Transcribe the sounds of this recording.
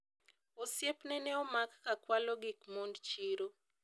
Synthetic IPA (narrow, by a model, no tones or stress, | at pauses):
osjepnɛnɛɔmakːakwalɔɡikmondt͡ʃiɾo